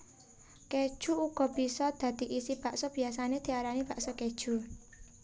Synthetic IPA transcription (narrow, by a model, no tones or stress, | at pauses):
ked̥ʒ̥uuɡ̥ɔ̤bisɔd̪̥ä̤d̪̥i̤ʔisib̥aʔsɔb̥i̤asanet̪iaɾanib̥a̤ʔsɔked̥ʒ̥ṳ